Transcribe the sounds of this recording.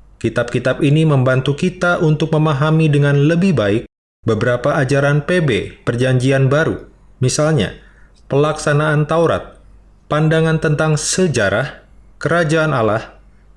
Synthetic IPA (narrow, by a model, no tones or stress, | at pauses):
kit̪ap̚kit̪apiniməmbant̪ukit̪aʔunt̪ʊk̚məmaɦamidəŋanləbɪhbaɪk̚ | bəbəɾapaːd͡ʒaɾanpebepərd͡ʒaɲd͡ʒianbaɾṵ | misalɲa̰ | pəlaksanaːnt̪auɾa̰t̪̚ | pandaŋant̪ənt̪aŋsəd͡ʒaɾahkəɾad͡ʒaːnalah